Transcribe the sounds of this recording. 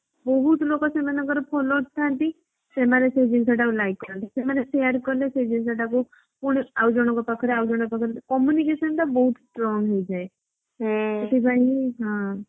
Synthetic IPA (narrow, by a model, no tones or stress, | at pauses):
bɔɦut̪lokasemanəɡɔɾpʰoloʈt̪ʰãnt̪i | semanesed͡ʒiŋsaʈakulajkːɔɾənt̪isemanesejaɾkɔɾlesed͡ʒiŋsaʈaku | puɽ̃awd͡ʒɔɽ̃ɔkɔpakʰɔɾeawd͡ʒɔɽ̃ɔkpakʰəɾkɔmjunikesənʈ̪abɔɦut̪sʈɾɔŋɡɦojd͡ʒae | ut̪ʰibaɦiɦã